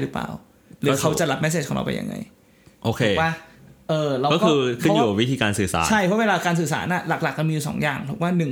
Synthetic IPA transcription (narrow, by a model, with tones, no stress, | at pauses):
ɾɯ˦˥pla̰ː˨˩w | lɯː˨˦kʰa˦˥wt͡ɕa˨˩la˦˥p̚mɛ˦˥seː˧˩ɔ˨˩ŋɾa̰˧wpa̰˧jʔa̰˧ŋʔa̰˧j | ʔoː˧˩kʰeɛ˨˩˧waː˥˩ʔɤː˨˧ɾa˧kɔː˥˩kɔː˥ɯː˩˧kʰɯ˥˩˦njuː˨˩ka˨˩wi˦˥t̪ʰiː˧kaː˧nsɯː˨˩sa̰ː˦t͡ɕʰa˥˩jʰɔ˦˥weː˧laː˧kaː˧ns̬ɯː˨˩sa̰ː˩˦nʔa˥˩la˨˩k̚la˨˩k̚ːa˨˩mi˧ju˨˩sɔ̰ː˩˦ŋja̰ː˨˩ŋpʰɔ˨˩kwaː˥˩nɯ˨˩ŋ